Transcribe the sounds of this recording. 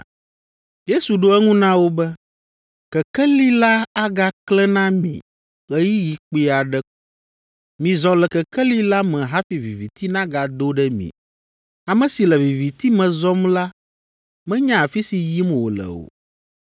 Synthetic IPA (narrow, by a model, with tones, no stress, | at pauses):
je˦su˨ɖo˦ɛ˦ŋũ˦nã˦wo˦bɛ˦ | kɛ˨kɛ˦li˦la˦a˦ɡa˦klɛ˦nã˦mḭ̃˨ | ɣɛ˦ji˦ji˨k͡pi˦a˨ɖɛ˦k | mĩ˨zɔ̃˨lɛ˨kɛ˨kɛ˦li˦la˦mɛ̃˨ɦa˦fi˨vi˨vi˨t̪i˦nã˦ɡa˨d̪o˦ɖɛ˦mḭ̃˨ | a˨mɛ̃˨si˨lɛ˨vi˨vi˨t̪i˦mɛ̃˨zɔ˦mla˦ | mɛ̃˦ɲã˦a˨fi˦si˨ji˦m˨wo̰˨lɛ̰˨wo̰˨